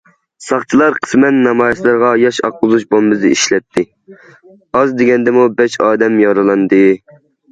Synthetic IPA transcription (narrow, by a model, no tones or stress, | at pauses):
sɑχt͡ʃʰilˠɑɾqʰə̥smɛnːɑmɑːjslˠɨɾʁɑjɑʃɑqlʊzut͡ʃbombɨzɨiʃlɛt̪ʰːɪ | ɑzd̪eɡʲɛnd̪ɛmubɛʃɑːd̪ɛmjɑɾɑlˠɑnd̪ɨ